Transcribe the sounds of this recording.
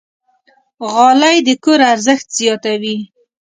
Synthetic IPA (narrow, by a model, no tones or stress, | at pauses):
ɣɑlajd̪əkoɾaɾzəxt̪z̥jɑt̪awi